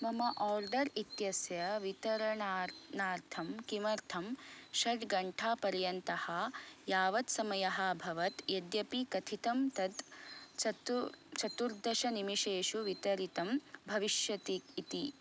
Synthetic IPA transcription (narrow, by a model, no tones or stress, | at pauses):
mɐmɐʔaːɾɖɐɾit̪jɐsjɐʋit̪ɐɾɐnaːɾnaːɾt̪ʰɐmkimɐɾt̪ʰɐmʃɐɖɡɐɳʈʰaːpɐɾjɐnt̪ɐhɐjaːʋɐt̪sɐmɐjɐɦɐ̆bʱɐʋɐt̪jed̪jɐpikɐt̪ʰit̪ɐmt̪ɐd̪t͡ʃɐt͡ʃɐt̪uɾd̪ʱɐʃɐnimiʃeːʃuʋit̪ɐɾit̪ɐmbʱɐʋiʃjɐt̪iːt̪i